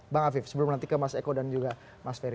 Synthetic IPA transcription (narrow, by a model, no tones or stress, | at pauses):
baŋafɪfsəbəlʊmənant̪ikəmasekodand͡ʒuɡa | masfeɾ